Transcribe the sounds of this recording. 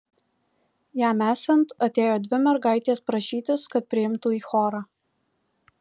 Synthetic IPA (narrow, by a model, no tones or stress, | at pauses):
jæːmæːsʲɛnt̪ɐt̪ʲeːjoːd̪ʲʋʲɪmʲɛɾɡɑˑɪt̪ʲeːspɾɐʃʲiːt̪ʲɪskɐt̪̚pʲɾʲɪɪmt̪uːiːxoːɾɑː